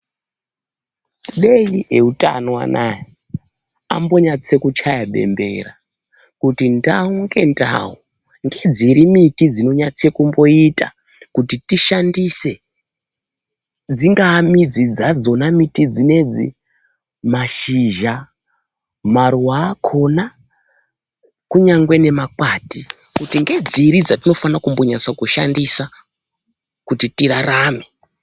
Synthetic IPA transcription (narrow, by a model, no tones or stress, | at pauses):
iɗeie̞utʼa̰nowa̰naja | a̰mbo̞ɲat͡se̞kut͡ʃajaɓe̞̰mbe̞̰ra | kutindauŋɡe̞nda̰wo | ŋɡe̞d͡ziɾimitid͡zino̞ɲat͡se̞kumbo̞ita̰ | kutitiʃandise̞ | d͡ziŋɡamid͡zid͡zad͡zo̞namitid͡zine̞d͡zḭ | maʃiʒa | marwaːkʰo̞na | kuɲaŋɡwe̞ne̞makwaːti | kutiŋɡe̞d͡ziɾid͡zatino̞fanakumbo̞ɲasakuʃandisa | kutitiɾaɾaːme̞